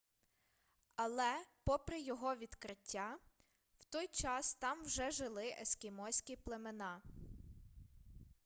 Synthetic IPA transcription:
ɐlˠɛpɔpɾɪjɔɦɔʋʲid̪kɾɪtʲːa | wt̪ɔjt͡ʃɑst̪ɑmwʒɛʒɪlˠɪʔeskʲɪmɔsʲkʲiplˠemenɑ

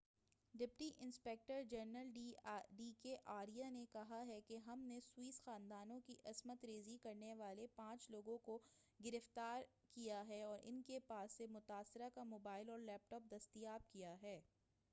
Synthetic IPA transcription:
ɖɪpʈiʔɪ̃nspɛːk̚ʈəɾd͡ʒɐɾnəlɖiɖiːkeʔaːɾijanekɐɦaɦɛkeɦɐmneswiːsxãːnd̪aːnõkiʔɐzmət̪ɾeːzikɐɾneʋaːlepãːt͡ʃloːɡõkoɡɪɾɪft̪aːɾ | kijaɦɛɔːɾʔɪ̰nkepaːsːemʊt̪aːsɪɾakamoːbaːɪlɔːɾlɛːp̚ʈɔːp̚d̪ɐst̪ijaːb̚kijaɦɛː

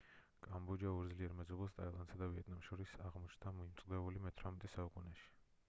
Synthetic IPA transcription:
kʼambud͡ʒauɾd̪zliɛɾmɛzɔbɛlˠst̪ʼailˠand̪sad̪aviɛt̪ʰʼnamʃɔɾisaʁmɔt͡ʃʰnd̪ʰamɔimt̪sʼd̪ɛulimɛt̪ʰɾamɛt̪ʼɛsaukʼunɛʃi̥

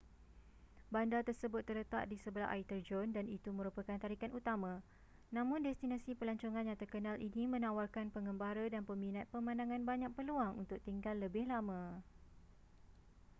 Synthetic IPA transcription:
bandat̪ərsəbʊt̪ːərlət̪aʔ̚disəbəlaɦa̰it̪ərd͡ʒɔndanit̪umə̃ɾupəkant̪aɾikanut̪amã | nãmʊ̃ndɛst̪inasipəlaɲt͡ʃoŋãnjaŋt̪ərkənalʔḭnimə̃nawarkanpəŋəmbaɾadanpəmĩnat̪̚pəmãndaŋãnbaɲak̚pəluaŋṵnt̪ʊk̚t̪iŋɡalːəbɪhlamã

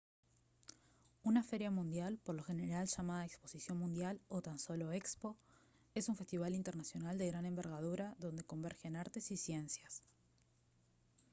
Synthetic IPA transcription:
unafe̞ɾjamũnd̪jalpoɾlo̞xe̞ne̞ɾalʃamaðaekspo̞sisjo̞nmũnd̪jalo̞t̪anso̞lo̞e̞kspo̞ | e̞suɱfe̞st̪iβ̞alint̪e̞ɾnasjo̞nald̪e̞ɣɾane̞mbe̞ɾɣað̞uɾaðo̞nd̪e̞ko̞mbeɾxe̞naɾt̪e̞sisje̞nsjas

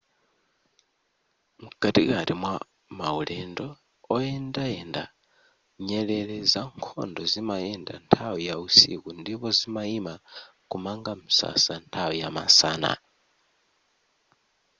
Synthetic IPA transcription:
muɡ̥atḭɣaɾimwa | mauɺɛndɔ | ɔɛndaɛnda | ɲɛɺɛɺɛzaŋkʰɔ̰ndɔzimajɛnda̰ntʰawijausḭkundipɔzimaima | kumaŋɡamisa̰santʰawijama̰saːna̰

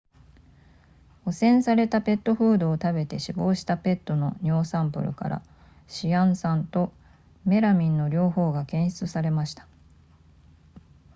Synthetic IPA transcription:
o̞sẽ̞ɰ̃saɾe̞t̪ape̞t̪ːo̞ɸɯ̟ːd̪o̞ːt̪abe̞t̪e̞ɕibo̞ːɕi̥t̪ape̞t̪ːo̞no̞ɲ̟o̞ːsãmpɯ̟̰ɾɯ̟̰ka̰ɾa̰ | ɕiãɰ̃sãnt̪o̞ | me̞ɾamʲĩnːo̞ɾʲo̞ːho̞ːɡakẽ̞ɰ̃ɕi̥t͡sɨsaɾe̞maɕi̥t̪ḁ

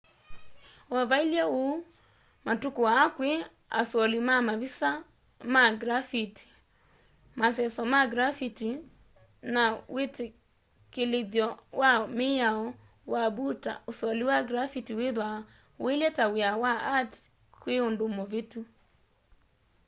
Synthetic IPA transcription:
ɔβailjɛo | matukowaːkwe | a̰sɔlimamaβisa | maɡɾafiti̥ | masɛsɔmaɡɾafiti | nawʔete | keleðjɔwameaɔ | wabuta̰osɔliwaɡɾafitiweðwa | elɛtaweawaat | kweondomɔvetu

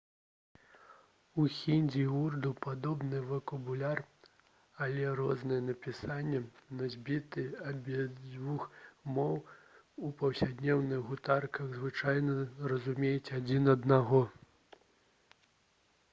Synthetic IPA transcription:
uxʲinʲd͡zʲiurd̪upad̪ɔbnɨvɐkɐbulʲar | ɐlʲɛɾɔznɨjɛnɐpʲisanʲːɛnɐzʲbʲit̪ɨabʲid͡zʲvuxmɔw | upɐwsʲad̪nʲɛwnɨɣɣut̪arkɐɣzvɨt͡ʂajnɐrɐzumʲejɛt͡sʲad͡zʲinɐd̪naɣɔ

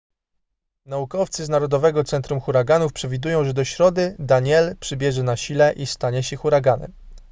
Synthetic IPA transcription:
naukɔft̪sɘznaɾɔd̪ɔvɛɡɔt̪sɛnt̪ɾumxuɾaɡanufpʂɛvʲid̪ujɔ̃w̃ʐɛd̪ɔɕɾɔd̪ɘd̪aɲɛlpʂɘbʲjɛʐɛnaɕilɛʔist̪aɲɛɕɛxuɾaɡanɛ̰m

